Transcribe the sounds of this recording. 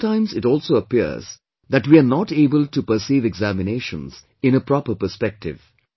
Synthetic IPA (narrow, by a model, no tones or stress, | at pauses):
tãɪ̃mzɪtɔlˠsoəpḭz̥ | ðæʈwiənɔʈeːbəltupəɾsiːvɛɡzæmɪneːʃə̰̃nz̥ | ɪ̃ñəpɾɔpəɾpəspɛk̚tʰɪ̰v̥